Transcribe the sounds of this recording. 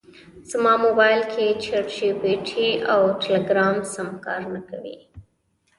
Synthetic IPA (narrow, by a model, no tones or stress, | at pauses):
z̥mɑmobɑjlkʰet͡ʃʰeʈʃibeʈʰiawʈɪleɡɾɑmsamkɑ̰ɾnakawḭ